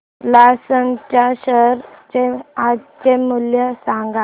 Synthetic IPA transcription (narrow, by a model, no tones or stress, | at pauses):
lasəŋt͡ɕaɕəɾt͡ɕeat͡ɕemuljəsãŋɡa